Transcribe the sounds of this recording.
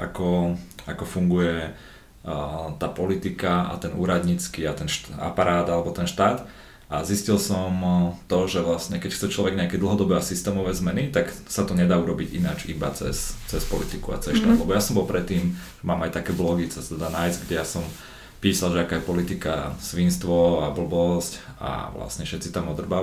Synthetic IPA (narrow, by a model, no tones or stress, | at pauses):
ʔa̰kɔakɔfuŋɡujɛ | t̪aːpɔlit̪ikaa̰t̪ɛnṵːɾad̪ɲit͡skiat̪ɛnʃa̰paɾʔaːd̪alɛbɔt̪ɛnʃt̪aːd̪ | ʔaziscilsɔmt̪ɔʒɛʋlasɲɛkɛcxt͡sɛt͡ʃlɔʋɛɡɲɛakɛːd̪l̩ˠɦɔd̪ɔbɛːasist̪ɛːmɔʋɛːzmɛnit̪aksat̪ɔɲɛd̪aːuɾɔbiɟḭnad͡ʒiba̰t͡sɛ̰st͡sɛspɔlit̪ikua̰t͡sɛsʃt̪aːlɛbɔjasɔmbɔlpɾɛt̪ːiːmʒmaːmajt̪akɛːblɔɡit͡sɛt̪ɛd̪anajzɡɟɛjasɔm | piːsalˠʒɛakaːjɛpɔlit̪ika̰sʋinst̪ʋɔabl̩bɔsc | a̰ʋla̰sɲɛfʃɛt̪t͡sit̪amɔd̪r̩ba